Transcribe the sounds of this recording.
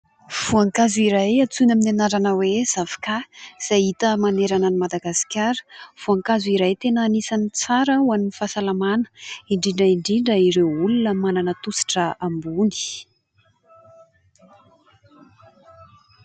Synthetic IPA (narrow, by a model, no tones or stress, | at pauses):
v̥uaŋkazuiɾajat͡sunaminanaɾanəwez̥avḁkaz̥ajit̪əmaneɾananimad̪aɡasi̥kʲaɾə̥v̥uaŋkazuiɾajt̪enːnisanit͡saɾəuaminifasalamanə̥iɳɖ͡ʐiɳɖ͡ʐəiɳɖ͡ʐiɳɖ͡ʐəiɾewulunəmananət̪usi̥ʈ͡ʂəambuni̥